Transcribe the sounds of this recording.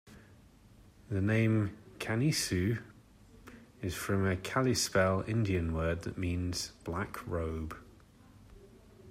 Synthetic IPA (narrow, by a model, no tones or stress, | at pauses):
ðənẽɪ̃mkʰaniˑsʉ | ɪz̥fɹə̃məkʰalɪspɛlɪ̰̃ndiə̃nwɜːd̪̚ðə̰ʔmĩːnz̥b̥lakʰɹəʊb̥